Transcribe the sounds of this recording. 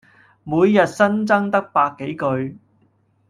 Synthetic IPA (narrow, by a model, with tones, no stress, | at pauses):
muː˨˧jːɐ˨t̚sɐ˥nt͡sɐ˥ŋt̪ɐ˥k̚paː˧kːe˨˥jkɵ˧ɥ